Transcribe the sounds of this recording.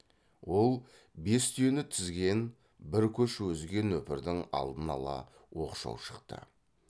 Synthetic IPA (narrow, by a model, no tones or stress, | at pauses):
wo̞lˠ | be̞st̪ʰijenɪt̪ʰʏzɡʲe̞n | bɪɾkʲʰɵʃwɵzɡʲe̞nwɵpɪɾd̪ɪŋɑ̰lˠd̪ənɑlˠɑ̰ | wo̞qʃɑ̰wʃə̥qt̪ə̰